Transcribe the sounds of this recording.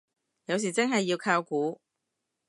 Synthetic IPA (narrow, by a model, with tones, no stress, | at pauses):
jɐ˨˧ws̬iː˨˩t͡sɪ˥ŋɦɐ˨jːiː˧wkʰaː˧wkuː˨˥